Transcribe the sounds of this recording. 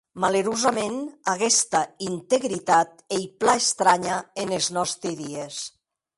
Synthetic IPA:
maleɾuzamenaɣɛst̪aint̪eɣɾit̪at̪̚ejplaest̪ɾaɲaeneznɔst̪ɾiðies

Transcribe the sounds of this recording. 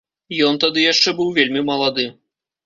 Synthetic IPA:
jɔnt̪ad̪ɨjaʂt͡ʂɛbɨwvʲelʲmʲimɐlˠad̪ɨ

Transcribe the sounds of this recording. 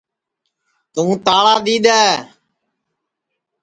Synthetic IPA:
t̪ũːt̪aːɭaːd̪iːɗ̪aːe

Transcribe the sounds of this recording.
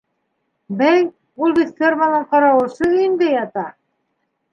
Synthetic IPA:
bæj | ulˠbit̪fʲermanɤɴqɑɾɑwɤ̆lˠʃɤnd̪æjɑt̪ɑ

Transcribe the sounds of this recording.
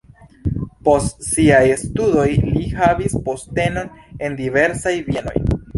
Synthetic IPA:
po̞stsiajstudo̞jlihavispo̞ste̞no̞ne̞ndive̞ɾsajvieno̞̰j

